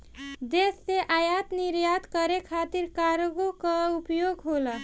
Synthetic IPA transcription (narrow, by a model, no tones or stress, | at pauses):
d͡ʒ̪esːeʔajat̪niɾjad̪kəɾekʰat̪iɾkaɾɡokəupjoɡɦolə